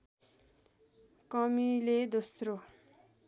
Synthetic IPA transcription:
kʌmiled̪osɾo

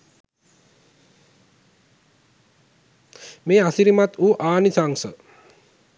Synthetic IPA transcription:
meːasiɾimat̪uːʔaːnisaŋsə

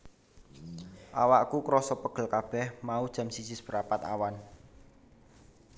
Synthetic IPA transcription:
ʔa̰waʔkukɾɔsɔpəɡ̥ə̤lkab̥ɛhmaud̥ʒ̥a̤msisɪsbəɾapat̪a̰wan

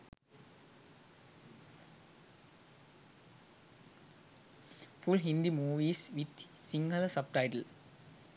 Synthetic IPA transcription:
fʊlɦɪ̃nd̪imuːʋisʋɪd̪sɪ̃ŋɡəlɐsɐb̚ʈaɪʈəl

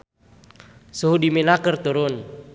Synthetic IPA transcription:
suɦudiminakərt̪uɾʊn

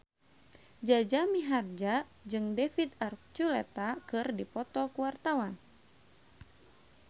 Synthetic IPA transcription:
d͡ʒad͡ʒamiɦard͡ʒa | d͡ʒɨŋdefit̪ar̚t͡ʃulɛt̪akɨrdipɔt̪ɔkuart̪awan

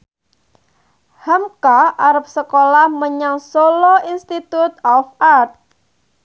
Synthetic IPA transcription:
hamkaʔaɾəp̚səkolahməɲaŋsoloinst̪it̪ut̪ɔfart̪̚

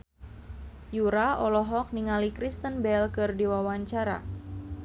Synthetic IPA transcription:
juɾaɔlɔɦɔk̚niŋalikɾist̪ənbɛlkɨrdiwawaɲt͡ʃaɾa̰

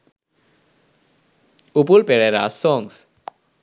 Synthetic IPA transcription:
upulpɛɹɛɾa̰sɔŋs

